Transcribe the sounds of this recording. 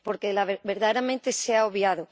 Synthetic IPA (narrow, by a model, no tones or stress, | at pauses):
poɾkelaβebeɾðaðeɾamẽnt̪eseaoβjaðo